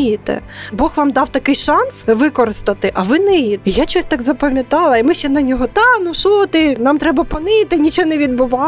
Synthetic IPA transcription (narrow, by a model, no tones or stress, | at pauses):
jit̪ɛ̰ | bɔxʋɑmd̪ɑwt̪ɐkɪjʃɑnsʋɪkɔɾɪst̪ɐt̪ɪʔɐʋɪnɛjit̪ijat͡ʃɔsʲt̪ɑɡzɐpɐmʲjɐt̪ɑlˠɐimɪʃt͡ʃɛnɐnʲɔɦɔt̪ɑnʊʃɔt̪ɪnɑmt̪ɾɛbɐpɔnɪt̪ɪnʲit͡ʃɔnɛʋʲid̪̚bʊʋɑ